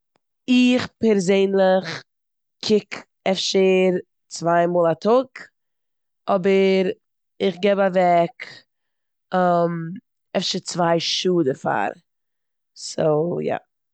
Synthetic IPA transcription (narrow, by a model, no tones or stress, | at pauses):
ɪχpɛɾzeɪnlˠɪχ | kʰɪk | ɛfʃəɾ | t͡svaɪmɔːlˠatʰʊk | ɔbəɾ | ɪχɡɛbavɛk | əm | ɛfʃəɾt͡svaɪʃuːdəfa̰ɾ | so̰ʊja̰